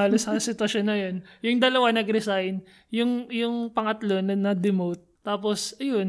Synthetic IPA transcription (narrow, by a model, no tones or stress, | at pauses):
aːlosɐsɪt̪wɐʃonːɐjonjʊŋd̪ɐlɐwanɐɡɾɛsajn | jʊŋjʊŋpɐŋɐt̪lo̞nɐnɐd̪ɪmowt̪̚ːaːposɐjon